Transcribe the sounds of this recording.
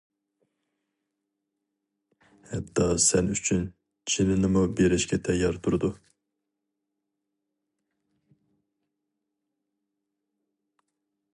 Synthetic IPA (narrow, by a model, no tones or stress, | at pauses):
hɛt̪ʰːɑːsɛnyt͡ʃʰyn | t͡ʃʰilinɨmubiɾɛʃkʰʲɛt̪ʰɛjɑɾt̪ʰuɾd̪u